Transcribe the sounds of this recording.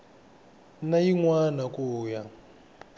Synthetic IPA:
najiŋwanakʼuːja

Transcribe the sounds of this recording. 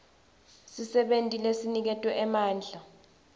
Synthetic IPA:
sisɛɓentʼilesinik̬ɛtʼwɛʔɛmaːnd͡ɮʱa

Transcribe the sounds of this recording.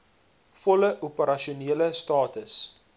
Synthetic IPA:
fɔləʔupəɾɐʃiuniələstɑːtəs

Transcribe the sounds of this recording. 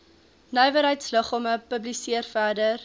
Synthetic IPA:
nœjvəɾɦəjtsləχɔməpəblisiərfæːdər

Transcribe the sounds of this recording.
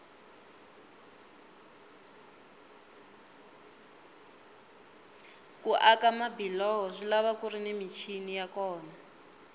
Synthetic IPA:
kuʔakamabilɔɦɔʂilaβakurinemit͡ʃʰinijakɔːna

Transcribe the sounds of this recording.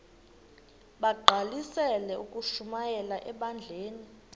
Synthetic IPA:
ɓaɡ͡ǃʱalisɛlɛukʼuʃumajɛlaʔɛɓand͡ɮʱeːni

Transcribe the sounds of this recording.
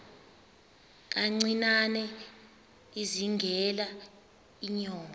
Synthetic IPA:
k̬aŋ͡ǀinanɛ | iziŋɡʱɛla | iɲɔːmɔ

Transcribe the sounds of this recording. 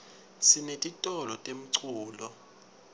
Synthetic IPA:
sinetʼitʼɔlɔtʼem̩ǀʰuːlɔ

